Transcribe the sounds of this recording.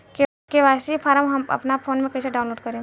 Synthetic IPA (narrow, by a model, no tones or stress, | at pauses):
k | keʋaːsipʰaːɾəmɦɐmɐ̰pnapʰoːnmẽkɐiseɖaːʊnloːɖ̚kɐɾẽ